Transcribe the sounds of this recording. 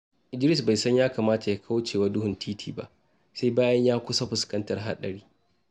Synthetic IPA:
ʔɪ˨d͡ʒɪ˦ɾɪ˦sba˨jsɐ˦ɲjaː˦kaː˨maː˦ta˨ja˦kʰa˦wt͡ʃeː˨wa˦dʊ˦ɦʊ˨ntʰiː˦tʰiː˨ba̰˦ʔ | sa˦jbaː˦jɐ˦ɲjaː˦kʷʊ˦sa˦ɸʊ˨skɐ˦ntɐ˨rɦa̰˦ɗɐ˨ɽiː˦

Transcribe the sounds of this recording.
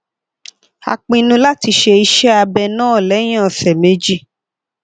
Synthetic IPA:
a̰˧k͡pĩ˧nũ˧la˦ti˧ʃe˧i˧ʃɛ˦a˧bɛ˧nãː˦˨lɛ˨˦j̃ã˦˨sɛ˨me˧˦d͡ʒi˦

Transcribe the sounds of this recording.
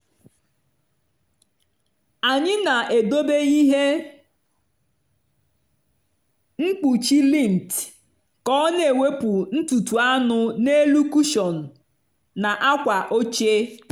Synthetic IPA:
a˨ɲɪ˦na˨ʔe˨do˦be˦i˦ɦe˦ | ŋ͡m̩˦k͡pu˨t͡ʃi˦li˦˨n̩˨t | kɔ˦nee˨we˦pʊ˨n̩˦tu˨tu˨a˦nʊ˦ne˦lu˦ku˦ʃɔ˨n̩˨ | na˨ʔa˦kʷa˨ʔo˦t͡ʃe˦

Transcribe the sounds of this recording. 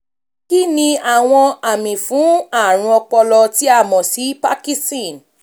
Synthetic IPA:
ki˦nĩ˧a˨w̃ɔ̃˧a˨mĩ˨fũ˨˦a˦˨ɾ̃ũ˧ɔ˧k͡pɔ˧lɔ˧ti˨˦a˦˨mɔ̃˨si˨˦pa˦ki˦stĩ˦˨n

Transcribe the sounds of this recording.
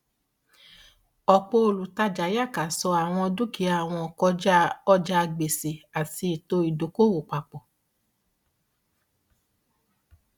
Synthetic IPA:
ɔ˨k͡po˧o˧˨lu˨ta˧d͡ʒa˨˦ja˦˨ka˨sɔ˧a˨w̃ɔ̃˧ɔ˧du˦ki˨˦a˦˨w̃ɔ̃˧ɔ˨kɔ˧˦ɔ˦d͡ʒa˧ɡ͡be˨se˨a˨ti˧i˨to˧i˨do˨˦ko˦wo˨k͡pa˨k͡pɔ˨

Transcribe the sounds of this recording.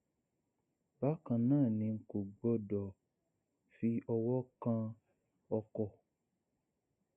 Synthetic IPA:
ba˦kã˨nãː˦˨nĩ˧ŋ̩˨ko˨ɡ͡bɔ˧˦dɔ˨ | fi˧ʔɔ˧wɔ˦kã˧ | ɔ˧kɔ˧˨

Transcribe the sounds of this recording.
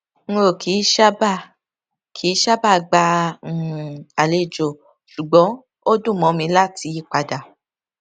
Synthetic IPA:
ŋ̩˦o˦˨kʰi˨˦ʃa˦ba˦˨ | kʰi˨˦ʃa˦ba˦˨ɡ͡ba˧˨ | a˨le˧˨d͡ʒo˨ | ʃu˨ɡ͡bɔ˨˦ | o˦dũ˦˨mɔ̃˨˧˦mĩ˧˦la˦ti˧˦k͡pa˧da˨

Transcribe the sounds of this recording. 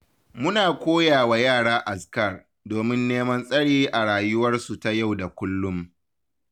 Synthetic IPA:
mʊ˦naː˨kʷoː˦jaː˨wa˨jaː˦˨ɽaː˦ʔa˨skɐ˦˨r | doː˨mɪ˦nːeː˦mɐ˦nsʼɐ˦ɽiː˦ʔa˨ɽaː˨jʊ˦wɐ˦rsu˨ta˨ja˦˨wda˨kʷʊ˦lːʊ˦m

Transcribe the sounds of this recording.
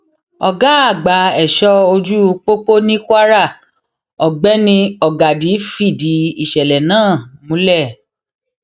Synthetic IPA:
ɔ˨ɡa˨˦a˦˨ɡ͡ba˨˦ɛ˨ʃɔ˦o˧d͡ʒu˦˧k͡po˦k͡po˦nĩ˦kʷa˦ɾa˦˨ | ɔ˨ɡ͡bɛ˦nĩ˧ɔ˨ɡa˨di˨˦fi˦˨di˨˦i˦˨ʃɛ˨lɛ˨nãː˦˨mũ˨˦lɛ˦˨

